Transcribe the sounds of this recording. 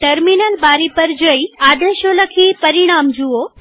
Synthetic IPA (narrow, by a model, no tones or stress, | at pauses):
ʈəɾminəlbaɾipəɾd͡ʒəiad̪eʃoləkʰipəɾiɽ̃amd͡ʒuo